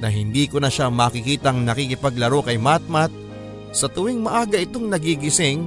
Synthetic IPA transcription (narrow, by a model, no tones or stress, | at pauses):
nɐɦɪnd̪iːkʊnɐʃamaːkɪkiːt̪ɐŋnɐkikɪpɐɡ̚lɐɾo̞kɐjmat̪̚mat̪̚ | sɐt̪ʊwɪŋmɐʔaːɡɐɪt̪oŋnɐɡiɡɪsɪŋ